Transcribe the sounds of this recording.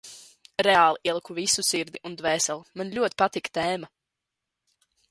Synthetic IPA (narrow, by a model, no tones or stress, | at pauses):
ɾɛaːlˠiʔiɛlˠkuvisusiɾd̪iʔund̪vɛːsɛlˠmanlʲuɔt̪pat̪ikt̪ɛːma